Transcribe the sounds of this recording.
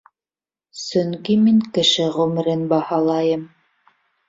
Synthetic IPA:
sɵ̆ŋkimiŋkɘ̆ʃɘʁɵ̆mɘ̆ɾɘnbɑhɑlˠɑjɤm

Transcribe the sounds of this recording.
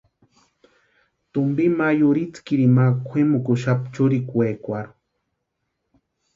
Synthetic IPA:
t̪ʊmbimajuɾit͡skiɾimakʷʰemukʊʃapt͡ʃuɾikwekʷaɾ

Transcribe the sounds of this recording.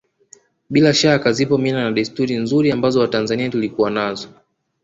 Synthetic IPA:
ɓilaʃakazipɔminanaɗistuɾinzuɾiambazɔwatanzaniatulikuwanazɔ

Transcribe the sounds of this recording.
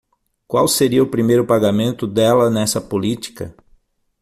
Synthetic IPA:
kwawseɾiɐʊpɾimejɾʊpaɡamẽnt̪ʊd̪ɛlɐnɛsɐpolit͡ʃi̥kɐ

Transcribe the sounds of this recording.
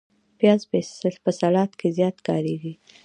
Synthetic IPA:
pjɑzbepəsalɑt̪kʰezjɑt̪kɑɾeɡi

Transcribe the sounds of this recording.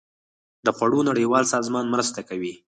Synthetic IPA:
d̪əxwaɽonaɽəjwɑlsɑzmɑnmɾəst̪akawi

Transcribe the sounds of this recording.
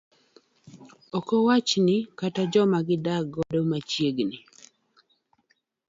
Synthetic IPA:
ɔkɔwat͡ʃnɪkatad͡ʒɔmaɡɪdaɡɔdomat͡ʃjeɡnɪ

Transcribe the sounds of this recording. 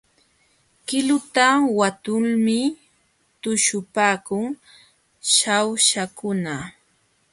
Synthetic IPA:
kɪlʊt̪awat̪ʊlmɪ | t̪ʊʃʊpaːkʊŋ | ʃawʃakʊna

